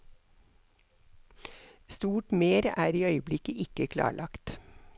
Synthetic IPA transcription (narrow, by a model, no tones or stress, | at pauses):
st̪uːʈmeːɾæːɾiːœʏəblɪkəʔɪkəkʰlɑ̰ːɭʔɑkt̪